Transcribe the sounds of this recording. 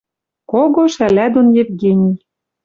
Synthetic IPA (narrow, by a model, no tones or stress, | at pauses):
koɣoʃælæd̪onjevɡenʲij